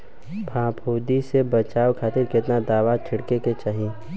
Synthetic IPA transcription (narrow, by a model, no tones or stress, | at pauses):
bʱãːpʰoːd̪isebət͡ʃaːwkʰaːt̪ɪɾkɪt̪nad̪aːʋat͡ʃʰɪɽkeket͡ʃaːɦi